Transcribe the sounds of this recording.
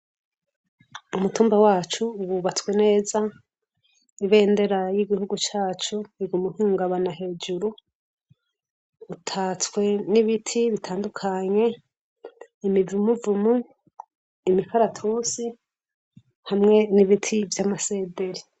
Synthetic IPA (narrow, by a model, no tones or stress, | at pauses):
umutuːmbawaːt͡ʃuwuβat͡swe̞ne̞ːza | iβe̞ːnde̞ɾajiɡihuɡut͡ʃaːt͡ʃuiɡumuhiːŋɡaβanaɦe̞ːd͡ʒuɾu | tʰat͡skwe̞niβitʰiβitʰaːndukʰaɲe̞ | imivumuvumu | imikʰaɾatʰuːsi | hamŋe̞niβitʰivjamase̞ːde̞ɾi